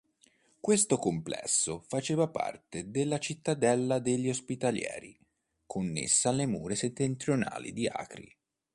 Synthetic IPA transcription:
kwest̪okomplɛ̰sːofat͡ʃeːvapa̰rt̪ed̪elːat͡ʃit̪ːad̪ɛlːad̪eʎːiospit̪aljɛ̰ːɾi | kʰonːḛsːaːlːemuːɾeset̪ːent̪ɾjona̰ːlḭd̪ia̰ːkɾḭ

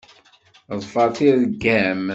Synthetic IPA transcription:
ðˤfɑt̪iðɡæm

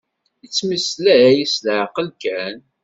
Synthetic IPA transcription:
jət͡sːmislææjisləʕqəlkæn

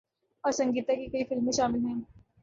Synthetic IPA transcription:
ɔːɾsɐ̃ŋɡiːt̪akikɐifɪlmẽʃaːmɪlɦɛ̃ː

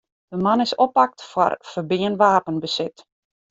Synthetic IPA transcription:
d̥əmanɪsɔpak̚tfwa̰rfərbɪənʋaːpənbəsɪt

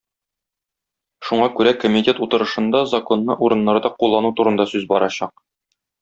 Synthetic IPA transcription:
ʃuɴɑkʉɾækomʲit̪ʲe̞t̪ut̪ɤ̆ɾɤ̆ʃɤ̆nd̪ɑzɐko̞nːɤʔuɾɤ̆nːɑɾd̪ɑqulˠːɑnut̪uɾɤ̆nd̪ɑsʉzbɒɾʔɑɕɑq̚

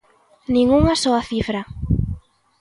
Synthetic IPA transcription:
nĩŋuŋasɔaθifɾa

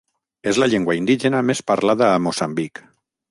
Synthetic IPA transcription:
ezlaʎeŋɡwaind̪iʒenamespaɾlaðaːmosambik

